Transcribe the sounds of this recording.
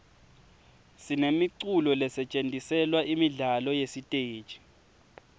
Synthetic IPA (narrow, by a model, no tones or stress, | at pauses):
sinemiǀulɔlɛsɛt͡ʃʼentʼisɛlwaʔimiɮalɔjesitʼe̥ːt͡ʃʼi̥